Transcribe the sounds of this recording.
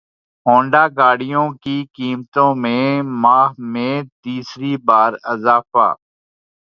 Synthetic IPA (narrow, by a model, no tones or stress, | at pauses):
ɦõːɳɖaːɡaːɽɪjõːkiːkiːmt̪õːmẽːmaːɦmẽːt̪iːsɾiːbaːɾəzaːfa̰ː